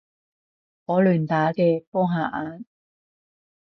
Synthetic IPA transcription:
ŋɔː˨˧lyː˨˩nt̪aː˨˥kɛː˧pɔː˥ɦaː˨˩ʔaː˨˧n

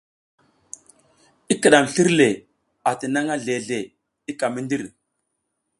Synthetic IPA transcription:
i˦kə˨ɗa˨m˨ɬi˦ɾle˨ | a˨ti˨na˦ŋa˦ɮe˨ɮe˨ | i˦ka˨mi˦ndi˦ɾ

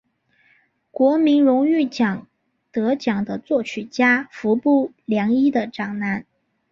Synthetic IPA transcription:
kwɔ˧˥mi˧˥nɻʊ˧˥ŋy˥˩t͡ɕjɑ˨˩ŋ | t̪ɤ˧˥t͡ɕjɑ˨˩ŋd̪ə˦t͡swɔ˥˩t͡ɕʰy˨˩t͡ɕja˥fu˧˥pu˥˩ | ljɑ˧˥ŋi˥d̪ə˨ʈ͡ʂɑ˨˩ŋna˧˥n

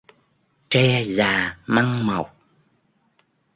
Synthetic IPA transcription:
t͡ɕɛ˧zaː˨˩ma˧ŋmə˨˩wk͡p̚

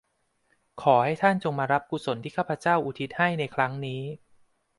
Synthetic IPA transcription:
kʰɔː˩˦ha˥˩jt̪ʰa˥˩nt͡ɕo˧ŋmaː˧ɾa˦˥p̚ku˧˩so˩˦nt̪ʰiː˥˩kʰaː˥˩pʰa˧t͡ɕaː˥˩wʔuː˨˩t̪ʰi˦˥t̪̚ha˥˩jna˧jkʰɾa˦˥ŋniː˦˥

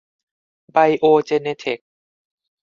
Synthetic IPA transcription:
ba˧jʔoː˧t͡ɕe˧neː˧t̪ʰe˨˩k̚

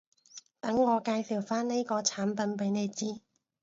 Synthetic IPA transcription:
t̪ɐ˨˥ŋːɔː˨˧kaː˧jsiː˨˩wfaː˥nne˥jkɔː˧t͡sʰaː˨˥npɐ˨˧npjne˨˧jt͡siː˥

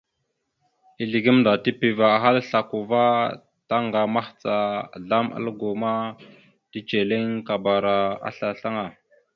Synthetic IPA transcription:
i˨ɮi˨ɡi˦mnda˨ti˦pi˨va˨a˨ɦa˦lɬa˨ku˨va˦ | ta˦ŋɡa˨ma˦xt͡sa˨ɮa˦ma̰˦lɡu˨ma˦ | ti˦t͡ʃe˨le˦ŋka˨ba˨ɾa˨a̰˦ɬa˨ɬa˦ŋa˨

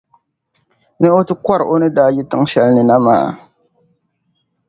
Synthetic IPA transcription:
nɨ˦o˦tɨ˦kʷɔ˦ɾʔo˦nɨ˦daː˦ji˦tɨ˦ŋ˦ʃɛ˦lnɨ˨na˦ma̰ː˨

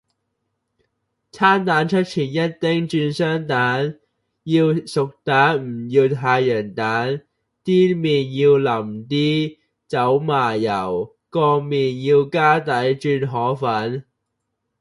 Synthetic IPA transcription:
t͡sʰaː˥nt̪aː˨˥nt͡ʃʰɵ˥t̚t͡sʰiː˨˩njɐ˥t̚t̪ɪ˥ŋt͡ʃyː˧nsœː˥ŋt̪aː˨˥n | jiː˧wsʊ˨k̚t̪aː˨˥nm̩˨˩jiː˧wt̪ʰaː˧jjœː˨˩nt̪aː˨˥n | t̪iː˥miː˨njiː˧wlɐ˨˩mt̪iː˥ | t͡sɐ˨˥wmaː˨˩jɐ˨˩w | kɔː˧miː˨njiː˧wkaː˥t̪ɐ˨˥jt͡ʃyː˧nɦɔː˨˥fɐ˨˥n

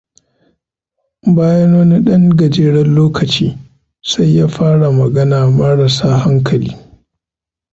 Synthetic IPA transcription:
baː˦jɐ˦nwɐ˦ni˦ɗɐ˦ŋɡɐ˨d͡ʒeː˦ɽɐ˦nloː˦kʰɐ˨t͡ʃiː˦ | sa˦jːaː˦ɸaː˦ɽa˨mɐ˨ɡɐ˦naː˨mɐ˦ɽɐ˨saː˦ɦa˦ŋkʰɐ˨lḭː˦

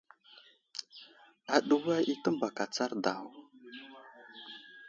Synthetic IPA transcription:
a˨ɗu˦wa˦ʔi˦tə˦mba˨ka˨t͡sa˦ɾda˨w

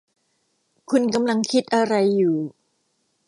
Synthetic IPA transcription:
kʰu˧nka˧mla˧ŋkʰi˦˥t̪̚ʔa˧ɾa˧jːuː˨˩

